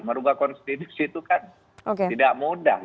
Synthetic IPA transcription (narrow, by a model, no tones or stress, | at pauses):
məɾuɡahkɔnst̪it̪usit̪ukan | okeidaʔmuda̰h